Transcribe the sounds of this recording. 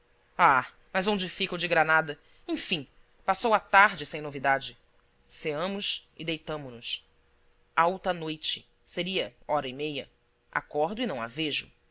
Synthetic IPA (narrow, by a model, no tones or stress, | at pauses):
a | mɐzõd͡ʒɪfikʊd͡ʒɪɡɾanad̪ɐ | ẽj̃fĩ | pasowat̪aɾd͡ʒɪsẽj̃novid̪ad͡ʒɪ | seɐ̃mʊsɪd̪ejt̪ɐ̃mʊnʊs | awt̪ɐnojt͡ʃɪ | seɾiɐɔɾɐimejɐ̰ | ʔa̰kɔɾd̪ʊɪnɐ̃w̃a̰veʒʊ